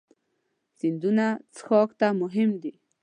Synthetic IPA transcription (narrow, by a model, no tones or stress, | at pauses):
z̥ind̪unat͡sxɔkt̪amʊɦɪmd̪i